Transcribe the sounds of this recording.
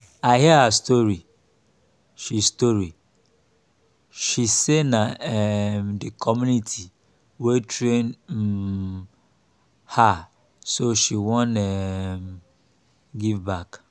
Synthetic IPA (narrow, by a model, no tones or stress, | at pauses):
aɪɦiahastɔɹi | ʃistoɾi | ʃisenaɛmdekʰɔmjunitʰi | wetʰɾen | ha | soʃiwɔ̃nɛm | ɡivbak